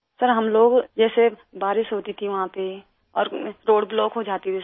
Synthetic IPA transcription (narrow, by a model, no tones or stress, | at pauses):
sɐɾɦɐmloːɡd͡ʒɛːse | baːɾɪʃɦoːt̪it̪ʰiʋɐɦãpe | ɔːɾɾoːɖblɔːkɦod͡ʒaːt̪it̪ʰi